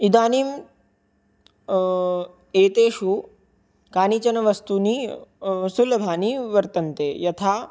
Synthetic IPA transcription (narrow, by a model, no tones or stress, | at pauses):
id̪aːniːm | eːt̪eːʃu | kaːnit͡ʃɐnɐʋɐst̪uːniː | sulɐbʱaːniːʋɐɾt̪ɐnt̪eːjɐt̪ʰaː